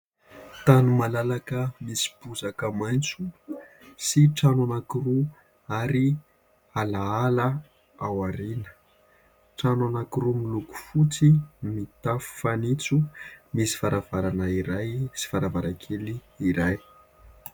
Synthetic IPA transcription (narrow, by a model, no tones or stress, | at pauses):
t̪anumalalakəmisi̥b̥uzakəmajnt͡su | siʈ͡ʂananakiru | aɾi | alaalə | awaɾinə̥ | ʈ͡ʂananakiɾumiluku̥fut͡simit̪afu̥fanit͡sumisi̥faɾavaɾanəiɾajsi̥faɾavaɾakʰeliː | ɾaj